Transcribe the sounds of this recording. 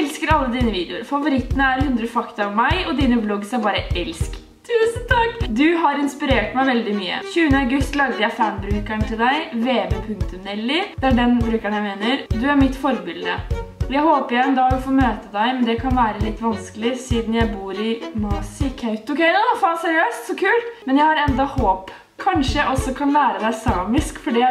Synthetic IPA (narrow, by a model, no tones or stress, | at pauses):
ɛlskəɾɑlːəd̪iːnəʋiːd̪ɛʊɾfɑʋʊɾɪt̪ːənəæɾhʉnd̪ɾəfɑkt̪əɾɑʋmæɪɔd̪iːnəblɔɡsæɾbɑːɾəʔɛlsk | t̪ʰʉːsənt̪ʰɑkːd̪ʉɦɑɾɪnspɪɾeːʈmæɪʋɛld̪ɪmyːə̰çʉːənəɑʊɡʉst̪lɑɡd̪əjæɪfænbɾʉːkæɳt̪ɪld̪æɪʋeːbeːpʰʉŋk̚t̪ʉmnɛlːɪd̪̥ɛæɖɛnbɾʉːkæɳjæɪmeːnəɾd̪ʉæɾmɪt̪ːfɔɾbɪld̪ə̰ɔjæɪhoːpəɪjɛnd̪ɑʉfoːmøːt̪əd̪æɪmɛnd̪ɛkʰɑnʋæːɾəlɪt̪ːʋɑnskəlɪsiːd̪n̩jæɪbuːɾɪnɑːsɪkʰɑʉt̪ːɔkɛɪnɔfɑːsɛɾɪøːst̪sɔkʰʉːlt̪mɛnjæɪhɑɾɛnd̪ɑhoːp | kʰɑnʂəjæɪʔɔsːɔkʰɑnʋæːɾəd̪æɪsɑːmɪskfɔɖiː